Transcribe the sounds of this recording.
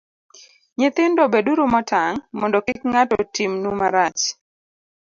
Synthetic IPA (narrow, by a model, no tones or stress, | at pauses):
ɲet̪ɪndɔbeduɾumɔtaŋmɔndɔkɪkŋatɔtimnumaɾat͡ʃ